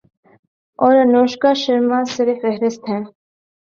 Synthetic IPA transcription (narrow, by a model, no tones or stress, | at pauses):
ɔɾənɔʃkɑʃəɾmɑsəɾifɛɦɾɛst̪ʰɛn